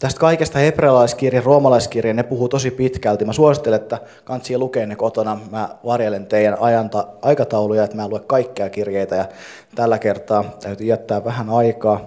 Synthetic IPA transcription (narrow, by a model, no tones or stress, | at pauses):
t̪æst̪kɑikest̪ɑhepreɑlɑiskirjeroːmɑlɑiskirjennepuhut̪osipit̪kælt̪imæsuosit̪ːelet̪ːæ | kɑnsilukeːnːekot̪onɑmæːʋɑrjelent̪eijænɑjɑnt̪ɑɑjkɑt̪ɑulujɑet̪mæːluekkɑikːeɑkirjeit̪æjɑ | t̪ælːækert̪ɑːt̪æyt̪yjæt̪ːæːʋʋæɦænɑikɑː